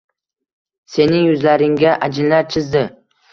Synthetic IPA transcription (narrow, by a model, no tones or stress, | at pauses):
se̞nɪŋjʊzlaɾɪŋɡʲaʔad͡ʒɪlːaɾt͡ʃʰɪzd̪ɪ